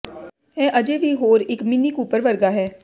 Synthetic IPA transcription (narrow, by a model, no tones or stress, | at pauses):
ɦɛ̃ːʔəd͡ʒeʋiɦoːɾɪkmɪnikuːpəɾʋəɾɡaɦɛː